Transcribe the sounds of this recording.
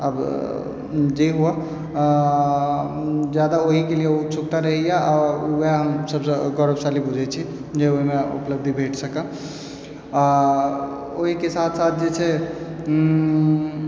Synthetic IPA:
əb | d͡ʒeɦua | d͡ʒjad̪aoɦikelieut͡ʃʰukt̪aɾəɦɛjaʔɔueɦəmsəbsəɡɔɾəbsalibud͡ʒʱɛt͡ʃʰi | d͡ʒeoɦimeṵpləb̚d̪ʱibʱeʈʰsəkã | oɦikesat̪ʰsat̪̚ʰd͡ʒet͡ʃʰɛ

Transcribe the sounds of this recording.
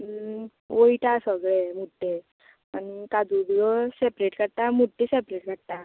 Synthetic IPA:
ʋoiʈasəɡɭemuʈːe | anikad͡z̪ud̪ɡɔsepɾeʈkəɽt̪amuʈ̪ːesepɾeʈkəɽt̪a

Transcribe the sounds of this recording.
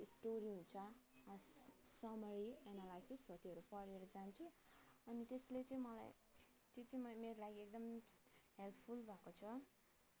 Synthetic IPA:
isʈoɾiɦunt͡sʰʌ | sʌmʌɾienalajsisʌt̪iʌɾupʌɾeɾʌd͡zant͡sʰũʌnit̪eslet͡sʌ̃ĩmʌla̰j | t̪jot͡sʌ̃ĩmʌmeɾolaɡiek̚d̪ʌmɦelt̪ʰpʰulbʱakot͡sʰʌ

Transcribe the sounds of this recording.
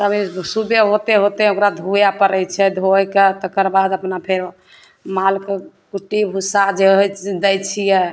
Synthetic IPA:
səbisubjeɦot̪eɦot̪ɛokɾad̪ʱujapəɾəjt͡ʃʰɛd̪ʱojket̪ɔkəɾbad̪əpnapʰeɾ | malkekuʈibʱusad͡ʒed̪ɛjt͡ʃʰijɛ

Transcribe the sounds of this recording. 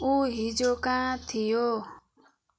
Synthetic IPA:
uːɦiːd͡ʒoːkãːt̪ʰɪjoː

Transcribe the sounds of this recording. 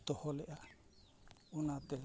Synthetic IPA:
t̪ɔhɔlɛʔa | unat̪ɛ

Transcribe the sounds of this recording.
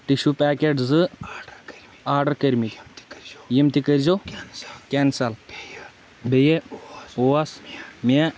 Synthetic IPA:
ʈiʃupaːkeʈzɨ | aːɾɖɐɾkɐɾmik | jimt̪ikəɾzo | kʲɛnsɐl | bejeoasme

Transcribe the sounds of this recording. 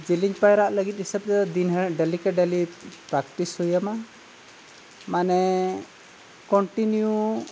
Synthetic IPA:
d͡ʒiliɲd͡ʒpajɾaʔləɡit̪̚ɦisəb̚d̪ɛd̪inɦɛɖɛlikɛɖɛlipɾakʈishujama | manɛ | kɔɳʈinju

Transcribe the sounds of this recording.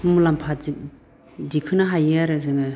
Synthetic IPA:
mumulampʰai | dikʰɯnaɦajeaɾɯzɯŋɯ

